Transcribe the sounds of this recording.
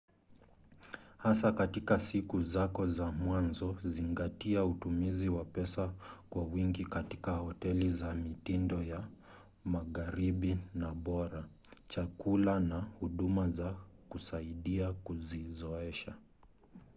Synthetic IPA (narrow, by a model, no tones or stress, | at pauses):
hasakatikasikuzakɔzamwanzɔziŋɡatiautumiziwapɛsakwawiŋɡikati̥kahɔtɛlizamitindɔja | maɣaɾiɓinaɓɔɾa | t͡ʃakulanahuɗumazakusaiɗiakuzizɔɛʃa